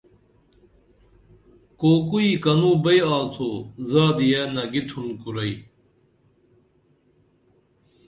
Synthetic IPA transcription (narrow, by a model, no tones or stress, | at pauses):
koːkuiːkɐnũbɐjaːlt̪ʰozaːd̪ijeːnɐɡit̪ʰunkuɾɐi